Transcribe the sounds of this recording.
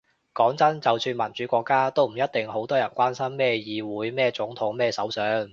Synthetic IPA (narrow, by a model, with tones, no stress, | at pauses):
kɔː˨˥ŋt͡sɐ˥nt͡sɐ˨wsyː˧nmɐ˨˩nt͡ʃyː˨˥kʷɔː˧kːaː˥t̪o˥wm̩˨˩jɐ˥t̚t̪ɪ˨ŋho˨˥wt̪ɔː˥jɐ˨˩nkʷaː˥nsɐ˥mːɛː˥jiː˨˧wuː˨˥jmɛː˥t͡sʊ˨˥ŋt̪ʰʊ˨˥ŋmɛː˥˧sɐ˨˥wsœː˨˥ŋ